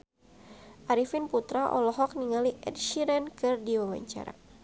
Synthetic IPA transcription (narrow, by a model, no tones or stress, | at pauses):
ʔaɾifɪnput̪ɾaʔɔ̰lɔɦɔk̚niŋaliʔɛ̰d̚ʃiɾɛnkɨrdiwawa̰ɲt͡ʃa̰ɾa̰